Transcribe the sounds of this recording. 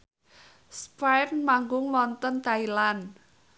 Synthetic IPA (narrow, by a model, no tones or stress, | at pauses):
spajtmaŋɡʊŋwɔnt̪ɔnt̪ailan